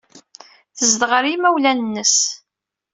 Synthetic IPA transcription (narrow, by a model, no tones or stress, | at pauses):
θəzd̪ʁəɾimæwlænənːəs